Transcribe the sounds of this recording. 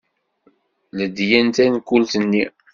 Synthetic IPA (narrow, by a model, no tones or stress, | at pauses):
ləd̪jænt̪ænkult̪ənːi